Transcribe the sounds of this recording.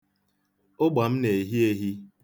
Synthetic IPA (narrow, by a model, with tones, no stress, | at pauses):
ʊ˦ɡ͡ba˨m̩˦ne˨ɦi˦e˦ɦi˦